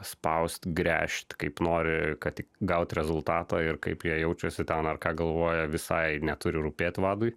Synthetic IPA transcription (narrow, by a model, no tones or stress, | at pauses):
spɐʊsʲt̪ʲɡɾʲæ̰ːʃʲt̪ʲkɐɪpnoːɾʲɪkɐt̪ʲɪkɡɐʊt̪ʲɾʲɛzʊlˠt̪ɑːt̪ɑːɪrkɐɪpjiɛjɛʊt͡ʃʲɛsʲɪt̪ʲɛnɐrkɑːɡɐlˠʋoːjɛʋʲɪsɐɪnʲɛt̪ʊɾʲɪɾʊpʲeːt̪ʲʋɑːd̪ʊɪ